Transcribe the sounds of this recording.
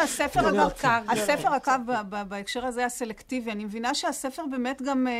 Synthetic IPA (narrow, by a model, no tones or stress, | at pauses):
asefeʁakakaasefeʁakavbababaekʃeʁazejase̞lektivianimevinaʃeasefeʁbe̞ːmetɡam